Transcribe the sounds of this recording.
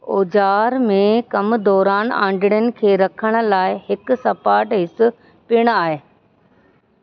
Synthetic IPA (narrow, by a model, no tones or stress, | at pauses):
oːd͡ʑaːɾmẽkɐmd̪ɔːɾaːnã̰ːɳɖɪɽjənɪ̆kʰeːɾɐkʰəɽ̃ə̆laːɪɦɪkʊsɐpaːɾʈɦɪsʊ̆ | piəɽ̃aːɦeː